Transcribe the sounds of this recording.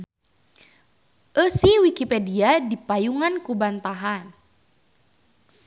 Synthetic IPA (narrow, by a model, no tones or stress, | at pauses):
ʔəsihwikipɛdiadipajuŋankubant̪aɦan